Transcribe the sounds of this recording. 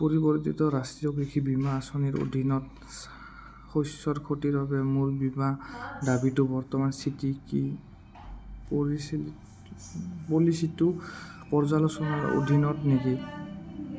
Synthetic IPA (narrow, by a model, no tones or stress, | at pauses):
poɹibɔɹtitɔɾastijɔkɹikʰibimaːsɔniɹo̰dʱinɔt | xojssɔɹkʰotiɹabɛmuɹbimadabitʊbɔɹtɔmansitiki | poɹisil | polisitʊpɔɹzalɔsɔnaɹo̰d̪ʱinɔtniki